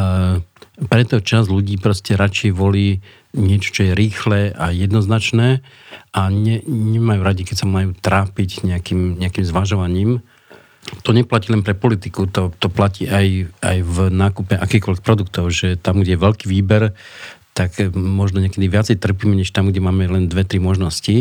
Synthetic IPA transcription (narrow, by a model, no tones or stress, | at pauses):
pɾɛt̪ɔt͡ʃazʎuɟiːpɾɔscɛɾat͡ʃjɛʋɔliː | ɲɪɛt͡ʃɔ̥t͡ʃɔjɛɾiːxlɛʔajɛd̪nɔznat͡ʃnɛː | aɲɛɲɛmajuːɾaɟikɛcsamajuːt̪ɾaːpiɟɲɛakiːmɲɛakiːmzʋaʒɔʋaɲiːm | t̪ɔɲɛplaciːlɛnpɾɛpɔlit̪ikut̪ɔt̪ɔplaciːʔajʔa̰jvnaːkupɛʔakiːxkɔlʋɛxpɾɔd̪uk̚t̪ɔʊʒɛt̪amɡɟɛjɛʋɛlkiːʋiːbɛɾ | t̪akmɔʒnɔɲɛkɛd̪iʋɪat͡sɛjt̪r̩piːmɛɲɛʃt̪amɡɟɛmaːmɛlɛnd̪ʋɛt̪ɾimɔʒnɔsci